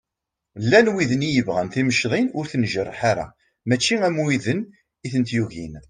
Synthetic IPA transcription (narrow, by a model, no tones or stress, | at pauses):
lːænwiðənijəvʁənθiməʃðˤinʊɾθnʒərˤːħaɾa̰ | mæt͡ʃːiæmuiðən | iθənt̪juʝin